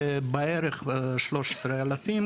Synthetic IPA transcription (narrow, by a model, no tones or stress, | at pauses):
beeɾeχʃloʃe̥sɾealafim